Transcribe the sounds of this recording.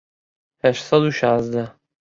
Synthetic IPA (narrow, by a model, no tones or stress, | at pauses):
hɛʃt̪sɑd̪uːʃɑːzd̪æ